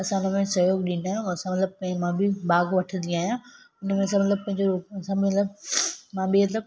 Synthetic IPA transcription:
ɐsãʊnəmẽsɐɦjoːɡɗind̪aːɦjõɐsãmɐt̪ləb̚pɐ̃ɦɪ̃mãːbʱibaːɡʋɐʈʰə̃nd̪ĩaːɦijã | ʊnmẽɐsãmɐt̪ləb̚pɐ̃ɦɪ̃ɲd͡ʑoɾuːɐsãbʱiɐt̪ləbmãbʱimɐt̪̬ləb

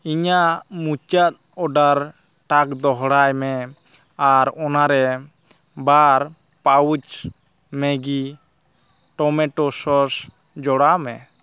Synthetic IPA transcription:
iɲaʔmut͡ʃat̪̚ɔɖaɾ | ʈakd̪ɔɦɽajmɛ | aɾɔnaɾɛ | baɾ | pawut͡ʃ | mɛɡi | ʈɔmɛʈɔsɔs | d͡ʒɔɽamɛ

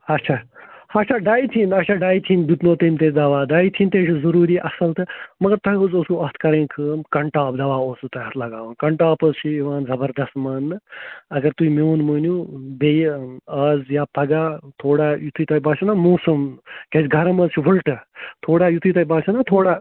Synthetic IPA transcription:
ɐt͡ʃʰahɐt͡ʃʰaɖaːjt̪ʰiːnɐt͡ʃʰaɖaːjt̪ʰiːnd̪ut̪noːt̪ɐmʲt̪ed̪ɐʋaːd̪aːit̪ʰiːnt̪eːt͡ʃʰizɐɾuːɾiːʔɐsɐlt̪ʰɨmɐɡɐɾt̪ɐjozoːsuɐɦt̪ʰkɐɾẽːnkʰɨːmkɐɳʈaːpd̪ɐʋaːoːsut̪ɐjɐt̪ʰlɐɡaːʋɐnkɐɳʈaːpəzt͡ʃʰiiʋaːnzɐbɐɾd̪ɐst̪mɐnːɨɐɡɐɾt̪uimoːnməːnʲubejɐːzjaːpɐɡaːt̪ʰoːɽajut̪ʰuit̪ɐjbaːt͡ʃʰɐnamoːsɐmkʲɐt͡ʃɡʱɐɾɐməzt͡ʃʰibulʈɨt̪ʰoːɽaːjut̪ʰujt̪ɐjibaːt͡ʃʰɐnat̪ʰoːɽaː

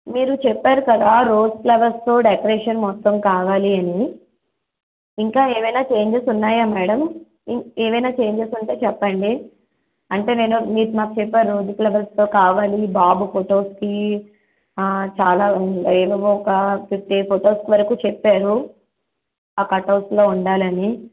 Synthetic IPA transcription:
miːɾut͡ʃɛpːaːɾukɐd̪aːɾo̞ːd͡ʒplɐbɐɾst̪o̞ːɖekɐɾeːʂɐnmɔt̪ːɐmkaːʋaːliɐni | ŋkaːeːʋɐjnaːt͡ʃe̞ːɲd͡ʒesunːaːjaːmɛːɽɐm | ieːʋɐjnaːt͡ʃe̞ːɲd͡ʒesuɳʈe̞ːt͡ʃɛpːɐɳɖi | ɐɳʈe̞ːne̞ːnumiːɾumaːkut͡ʃɛpːaːɾɾoːd͡ʒuklɐbɐɾst̪o̞ːkaːʋaːlibaːbupʰoʈo̞ːski | t͡ʃaːlaːʋɐʋoɔkɐkip̚ʈepʰoʈo̞ːskʋɐɾɐkuːt͡ʃɛpːaːɾu | aːkɐʈːɐʋslo̞ːuɳɖaːlɐni

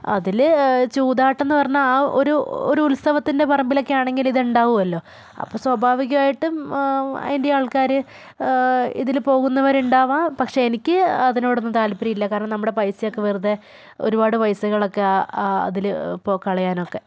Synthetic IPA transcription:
ɐ̰ðilt͡ɕuːd̪aːʈːe̞nːɨpɐrɐɲːaaːoɾuo̰ɾuulst̪ɐʋɐt̪ːinde̞pɐrɐmbilo̞kːejaːɳe̞ŋɡiliðuɳɖaːʋuɐlːo̞ː | ɐ̰pːoːswɐbʱaːʋiɣɐmaːjiʈːɨm̰ | indejaːɭkaːɾɨ | ḭðilpo̞ːɣunːɐʋɐɾuɳɖaːʋaːpɐkʂe̞enikʲːɨɐðino̞ːɽonːɨt̪aːlpɐɾijilːɐkaːɾɐɳɐmnɐmːuɽe̞pɐjsɐjokːe̞ʋeruðe | o̞̰ɾubaːɽɨpɐjsɐɣɐɭo̞kːeaɐ̰ðilpokɐɭɐjaːno̞kːe̞

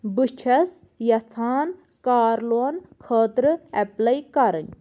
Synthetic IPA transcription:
bɨt͡ʃʰɐs | jɐt͡sʰaːn | kaːɾloɐnkʰəːt̪ɾɨɛplɐjkaɾən

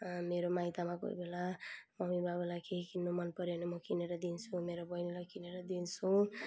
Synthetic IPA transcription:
meɾomajt̪amako̰j̰belamʌmibabulakʰekinːomʌnpʌɾenemʌkineɾʌd̪int͡sʰumeɾobʌjnilakineɾʌd̪int͡sʰu

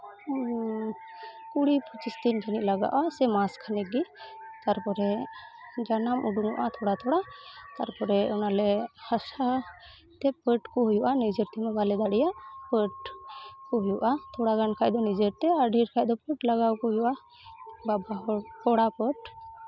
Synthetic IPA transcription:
kuɽipʰut͡ʃist̪ind͡ʒəniʔ̚laɡa̰ʔasɛmaskʰanɛɡit̪aɾpɔɾɛ | d͡ʒanamʔuɖuŋuʔat̪ʰɔɽat̪ʰɔɽat̪aɾpɔɾɛɔnalɛhasa | t̪ɛpəʈkɔɦujuʔanid͡ʒəɾt̪ɛmɛbalɛd̪aɽɛjaʔpəʈkɔɦujuʔat̪ʰɔɽaɡankʰajd̪ɔnid͡ʒəɾt̪ɛaɾɖʱiɾkʰajd̪ɔpəʈlaɡawkɔɦujuʔa | babaɦɔpɔɽapəʈ

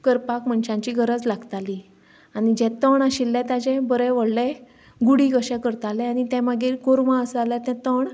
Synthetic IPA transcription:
kəɾpakm̤əɳɕãɲt͡ɕiɡʱəɾəd͡zlaɡt̪ali | añid͡ʑɛ̃t̪əɳaɕilːɛ̃t̪ad͡ʑɛ̃bəɾəʋəɽlɛ̃ | ɡuɽikəɕɛkəɾt̪alɛ̃aɽ̃it̪ɛ̃maɡiːɾkoɾmãəsalat̪ɛ̃t̪əɳ

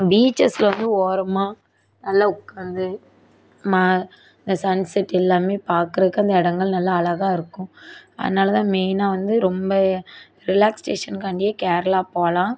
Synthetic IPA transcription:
biːt͡ʃːɐsɪlɐʋɐnd̪ɯoːɾɐmaː | nɐlːaʊkːaːnd̪ɯ | maː | ɪnd̪ɐsɐnsɛʈːɪlːaːmeːpaːɾkɯɾɐðɯkːɐnd̪ɐɪɽɐŋɡɐɭnɐlːɐːlɐɣaːɪɾɯkːʊ̃ɐ̰ðɐnaːlɐt̪ãːmeːnaːʋɐnd̪ɯɾɔmbɐ | ɾɪlaːksʈeːʂɐnkaːɳɖɪjɐkɛːɾɐlaːpoːlãː

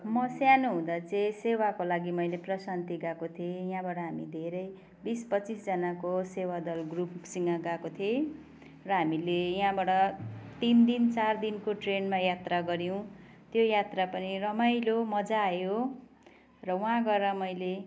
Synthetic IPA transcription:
mʌsjanoɦũd̪at͡sẽsewakolaɡimʌjleprʌsant̪iɡakot̪ʰiejɦãbaʈʌɦamid̪ʱeɾʌj | bispʌt͡sisd͡zʌnakosewad̪ʌlɡrupsiŋaɡakot̪ʰiẽ | rʌɦamilejɦãbaʈʌt̪ind̪int͡sard̪inkoʈrenmajat̪raɡʌɾj̃w̃ | t̪jojat̪rapʌnirʌmajlomʌd͡zaːjo | rʌw̃ɦãɡʌɾʌmʌjle

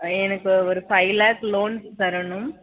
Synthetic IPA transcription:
ɛnɐkːɯɔɾɯfɐɪlaːkloːɳstɐɾɐɳɯm

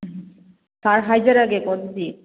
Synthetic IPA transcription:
t̪aɾɦajd͡ʑaɾaɡekɔt̪od̪i

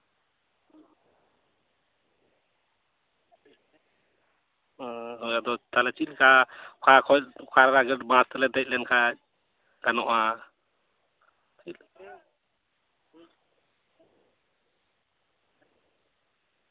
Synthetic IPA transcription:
ɔjad̪ɔt̪alɛt͡ʃilkʰakʰakʰɔlkʰaɾɾaɡɛʈbãst̪ɛlɛd̪ɛc̚lɛnkʰac̚ | ɡanɔʔa | il

